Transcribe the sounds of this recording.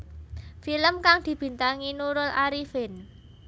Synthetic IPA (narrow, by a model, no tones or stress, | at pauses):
filəmkaŋd̪̥i̤b̥i̤nt̪aŋinuɾʊlaɾifɪn